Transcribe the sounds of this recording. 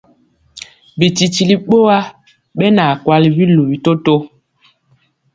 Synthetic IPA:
bi˨ti˨ti˨li˦ɓo˦wa˦ | ɓɛ˦naː˨kwa˦li˦bi˦lu˨bi˦to˦to˦

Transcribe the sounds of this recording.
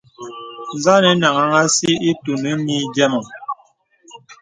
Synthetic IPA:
n˨za˦nɛ˨˦na˨ŋa˨ŋa˦si˦i˦tu˨nɛ˦mi˦d͡ʒɛ˦mɔ˨ŋ

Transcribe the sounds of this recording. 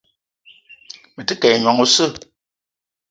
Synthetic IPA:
mə˨tɨ˦kɛ˨ɲwɔ˨ŋo˨sɨ˦˨

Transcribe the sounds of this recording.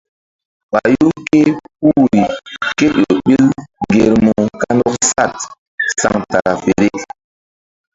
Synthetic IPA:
ɓa˨ju˦ke˦pu˦ɾi˨ke˦o˨ɓi˦lɡe˨ɾmu˨ka˦ndɔ˦ksa˦˨t̚ | sa˨ŋta˨ɾa˨fe˨ɾe˦

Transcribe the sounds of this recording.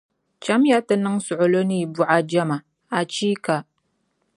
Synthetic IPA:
t͡ʃa˦mja˦tɨ˦nɨ˦ŋsʊ˨ʔʊ˨lo˦ni˦˨bu˨ʔa˨d͡ʒa˦ma˨ | a˨t͡ʃiː˦ka˨

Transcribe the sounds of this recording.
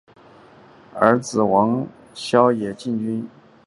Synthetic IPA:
ə̰˞˧˥t͡sɹ̩˨˩wɑ˧˥ŋ | ɕjɑ˥ʊjɛ˨˩t͡ɕi˥˩nt͡ɕy˥n

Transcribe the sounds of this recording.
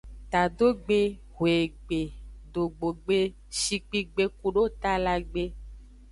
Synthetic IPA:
t̪a˨d̪o˦ɡ͡be˦ | ɦwe˨ɡ͡be˨ɖo˨ɡ͡bo˨ɡ͡be˦ | ʃi˨ɡ͡bi˦ɡ͡be˦ku˨ɖo˦t̪a˦la˨ɡ͡be˦

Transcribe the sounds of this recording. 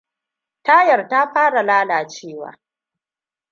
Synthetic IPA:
ta˦jɐ˨rta˦ɸaː˦ɽa˨laː˦laː˨t͡ʃeː˦˨wa̰ː˨˦

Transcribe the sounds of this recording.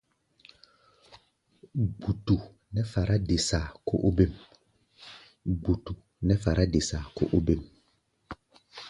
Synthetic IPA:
ɡ͡bu˨tu˨ | nɛ˦fa˨ɾʔa˦de˨sa˨ko˦ʔo˦be˦˨m | ɡ͡bu˨tu˨ | nɛ˦fa˨ɾʔa˦de˨sa˨ko̰˦ʔo˦be˦˨m

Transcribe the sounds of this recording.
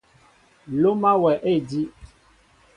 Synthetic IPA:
lo˦mã˦wɛ˨ʔe˦˨di˦

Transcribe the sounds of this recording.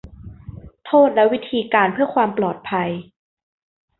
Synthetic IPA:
t̪ʰoː˥˩t̪̚lɛ˦˥wi˦˥t̪ʰiː˧kaː˧npʰɯ˥˩ɐkʰwaː˧mplɔː˨˩t̪̚pʰa˧j

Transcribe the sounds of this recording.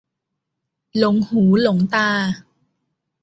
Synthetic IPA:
lo˨˩˦ŋhuː˩˦lo˨˩˦ŋt̪aː˧˩

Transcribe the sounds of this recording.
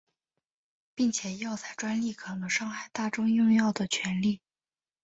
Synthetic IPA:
pi˥˩ŋt͡ɕʰjɛ˨˩jɑ˥˧ʊt͡sa˥˩ɪʈ͡ʂwa˥nli˥˩kʰɑ˧˩ŋlə˧ʂɑ˥˧ŋxa˥˩ɪt̪a˥˩ʈ͡ʂʊ˥ŋjʊ˥˧ŋjɑ˥˩ʊd̪ə˩t͡ɕʰɥɛ˧˥nli˥˩

